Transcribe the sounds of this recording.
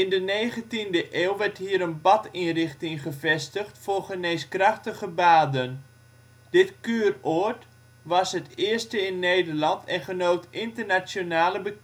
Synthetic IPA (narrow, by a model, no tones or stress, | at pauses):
ɪndənejχəntindəʔeːlˠʋɛrtɦiəɾənbɑtinrɪχtɪŋχəvɛstəχtfʊːrχəneːskrɑχtəχəbaːdən | d̥ɪtkyːrot | ʋɑsɦətɪːrstəɪnːejdərlɑntʰɛnχənoːtɪntərnat͡sjonaːləbə